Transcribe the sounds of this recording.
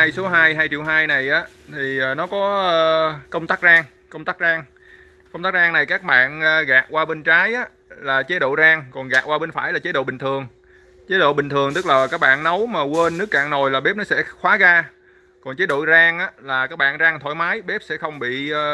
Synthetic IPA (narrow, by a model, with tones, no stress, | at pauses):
aː˧jso˨˦ɦaː˧jɦaː˧jt͡ɕḭ˧˨wɦaː˧jna˨˩jʔaː˨˦ | t̪ʰi˨˩ʔəː˨˩nɔ˨˦kɔ˨˦əː˧kə˧wŋ͡mt̪aː˦˥k̚zaː˧ŋ | kə˧wŋ͡mt̪aː˦˥k̚zaː˧ŋ | kə˧wŋ͡mt̪a˦˥k̚zaː˧ŋna˨˩jkaː˦˥k̚ɓa̰ː˧˨nː˨˧ɣaː˨˩k̚waː˧ɓe˧nt͡ɕaː˨˦jʔaː˨˦ | laː˨˩t͡ɕe˨˦ɗo̰˧˨zaː˧ŋkɔ˨˩nɣaː˨˩k̚waː˧ɓe˧nfaː˧˩jlaː˨˩t͡ɕe˨˦ɗo̰˧˨ɓï˨˩ŋ̟t̪ʰɨ˨˩əŋ | t͡ɕe˨˦ɗo̰˧˨ɓï˨˩ŋ̟t̪ʰɨ˨˩əŋt̪ɨ˦˥k̚laː˨˩kaː˦˥k̚ɓa̰ː˧˨nnə˨˦wmaː˨˩kwe˧nːɨ˦˥əkːa̰ː˧˨ŋno˨˩jlaː˨˩ɓe˦˥p̚nɔ˨˦sɛ̰˧˥xwaː˨˦ɣaː˧ | kɔ˨˩nt͡ɕe˨˦ɗo̰˧˨jzaː˧ŋʔaː˨˦laː˨˩kaː˦˥k̚ɓa̰ː˧˨nzaː˧ŋt̪ʰo̰˧˩˦jmaː˨˦jɓe˦˥p̚sɛ̰˧˥xə˧wŋ͡mɓḭ˧˨ə˧